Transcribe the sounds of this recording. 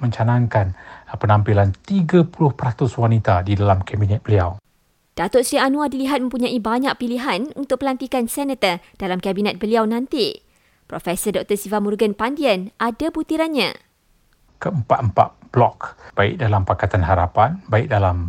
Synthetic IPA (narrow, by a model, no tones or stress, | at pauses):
mə̃ɲt͡ʃanãŋkanpənãmpilant̪iɡapulʊhpəɾat̪ʊswanit̪adidalamkabinɛt̪̚bəliaw | d̥at̪ʊt̪sɾianũadiliɦat̪̚mə̃mpuɲãʔibaɲãʔ̚piliɦanunt̪ʊk̚pəlant̪ikansɛnət̪ərd̥alamkabinɛt̪̚bəliawnãnt̪i | pɾɔfɛsərdɔk̚t̪əsivamurɡənpandiənʔadabut̪iɾanɲã̰ | kəəmpat̪̚əmpa̰t̪̚b̥lɔkbaɪ̰k̚dalampakat̪anɦaɾapanbaɪk̚dalam